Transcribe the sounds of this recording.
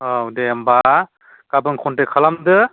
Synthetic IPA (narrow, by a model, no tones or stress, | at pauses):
adejamba | kabɯŋkʰɔntekʰalamdɯ